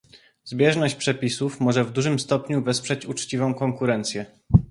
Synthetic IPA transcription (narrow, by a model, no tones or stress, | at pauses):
zbʲjɛʐnɔɕt͡ɕpʂɛpʲisufmɔʐɛvd̪uʐɘmst̪ɔpɲuvɛspʂɛt͡ɕut͡ʂt͡ɕivɔ̃w̃kɔŋkuɾɛnt̪sʲjɛ